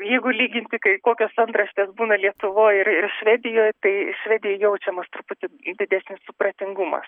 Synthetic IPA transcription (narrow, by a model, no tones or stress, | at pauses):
jɛɪɡʊlʲiːɡʲɪnʲt̪ʲɪkɐɪkoːkʲoːsɐnt̪ɾɐʃʲt̪ʲeːsbuːnɐlʲiɛt̪ʊʋoːjɪɾɪrʃʲʋʲæːd̪ʲɪjoːjt̪ɐɪʃʲʋʲæːd̪ʲɪjoːjɛʊt͡ʃʲɛmɐst̪ʊpʊt̪ʲɪd̪ʲɪd̪ʲæːsʲnʲɪssʊpɾɐt̪ʲɪŋɡumɐ̰s